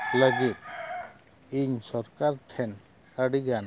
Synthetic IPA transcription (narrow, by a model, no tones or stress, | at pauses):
ləɡit̪̚ | iɲsɔɾkaɾʈʰɛn | aɽiɡan